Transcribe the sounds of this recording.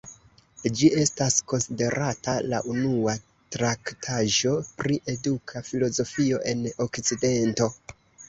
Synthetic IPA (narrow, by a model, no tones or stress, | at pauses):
d͡ʒie̞stasko̞nside̞ɾatala̰ʔunua | tɾaktʰaʒo̞pɾiʔe̞dukʰafilo̞zo̞fio̞ʔe̞nokt͡side̞nto̞